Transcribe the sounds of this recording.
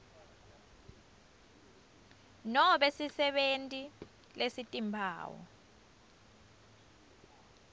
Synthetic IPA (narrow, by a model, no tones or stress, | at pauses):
nɔɓesisɛɓentʼi | lesitʼimpʰa̰ːwɔ̰